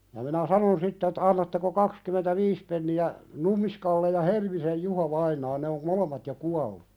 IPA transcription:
jɑ minæ sɑnon sitː etːæ̥ ɑnːɑtːeko kɑkskymentæʋiːs penːiæ n̥umːiskɑlːe jɑ helmisej juˑhoʋɑinɑː ne om molemːɑt jo kuɑlːu

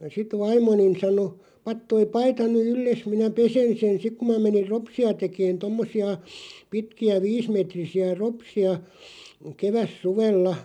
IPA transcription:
sit ʋɑimˑonin̞ sɑno pɑt toi pɑitɑ ny ylːes minæ pesen sen sik ku mæ menir ropsiɑ tekeːn tomːosiɑ pitkiæ ʋiːsmetrisiæ ropsiɑ keʋæsːuʋelːɑ

